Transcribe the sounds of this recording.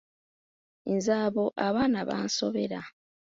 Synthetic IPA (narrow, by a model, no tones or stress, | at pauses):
inzaːβoʔaβaːnaβa̰ːnso̞βe̞ɾa